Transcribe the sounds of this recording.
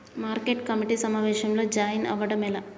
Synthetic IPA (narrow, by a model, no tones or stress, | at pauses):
maːɾkeʈkɐmiʈisɐmaːʋeːʃɐmlo̞ːd͡ʒaːjnɐ̰ʋɐɽɐmɛlɐ